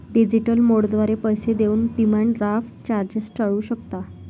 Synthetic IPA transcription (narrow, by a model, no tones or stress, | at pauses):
ɖid͡ʑiʈəlmoɽd̪ʋaɾepəjsed̪euːnɖimaɳɖɾafʈt͡ɕaɾd͡ʑəsʈəɭuːɕəkt̪a